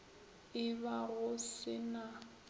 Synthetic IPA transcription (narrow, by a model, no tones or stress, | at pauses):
ɪbaɣʊsɪna